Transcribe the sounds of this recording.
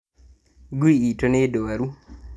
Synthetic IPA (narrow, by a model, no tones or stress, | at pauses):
ɡwiitonedowaɾu